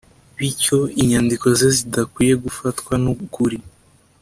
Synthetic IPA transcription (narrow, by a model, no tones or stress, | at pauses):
βico̞iɲandiko̞ze̞zidakwiːje̞ɡufatkwanukuɾi